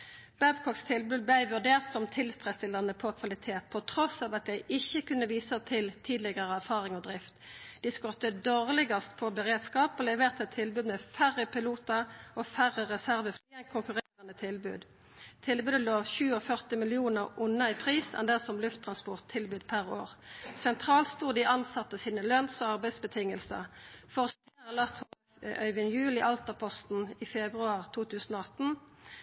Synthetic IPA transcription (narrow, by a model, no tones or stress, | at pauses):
b̥æbkʰɔkst̪ʰɪlbʉːd̪̚bæɪʋʉʁd̪eːʁt̪sɔmt̪ʰɪlst̪ʁɛst̪ɪləʁnəpʰɔkʰʋɑlɪt̪ʰeːt̪̚pʰɔt̪ʰʁɔsɑːʋɑt̪̚d̪æɪʔɪçəkʉnːəʋiːsət̪ʰɪlt̪ʰiːd̪lɪɡəʁəæʁfɑːʁɪŋɔd̪ʁɪft̪d̪̥iskɔt̪ːəd̪oːʁlɪɡɑst̪pʰɔbəʁeːd̪skɑːpoːlɛʋeːʁt̪ət̪ʰɪlbʉːd̪mɛːfæʁːəpɪluːt̪əʔoːfæʁəʁɛsæʁʋəfːɛkʰʊŋkʉʁɛnət̪ʰɪlbʉ̰ːd̪ | t̪ʰɪlbʉːd̪əloːçʉːɔfœʁt̪ɪmɪlɪuːnəʁʊnːəiːpʰʁiːsɛ̰nd̪ɛsɔmlʉft̪ʰʁɑnspɔʁt̪ʰːɪlbʉːd̪̥pʰæʁo̰ːʁsɛnt̪ʰʁɑːlst̪uːʁd̪ɪʔɑnsɑt̪ːəsiːnəlœnsɔɑʁbæɪd̪sbət̪ʰɪŋːəlsə̰ʁfɔʁɔst̪ʰeʁəlɑt̪h | ʔœ̰ʏʋənjʉːlɪʔɑlt̪əʁpʰɔst̪n̩ifɛbʁʉɑːʁt̪ʰuːt̪ʉːsn̩oːɑt̪n̩